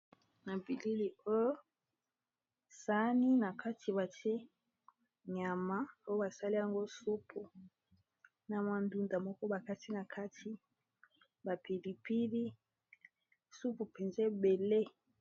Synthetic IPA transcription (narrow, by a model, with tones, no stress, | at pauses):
na˨bi˨li˦li˨o˦jo˦ | sa˦ni˦na˨ka˦tʰi˨βa˨ti˦e˦ | ɲa˨ma˦o˦jo˦ba˨sa˦li˦ja˨ŋɡo˦su˦pʰu˨ | na˨ma˨ndu˦nda˨mɔ˦kɔ˦ba˨ka˦ti˦na˨kʰa˦tʰi˦ | ba˨pi˨li˨pi˦li˦ | su˦pu˨pe˨nze˦be˨le˦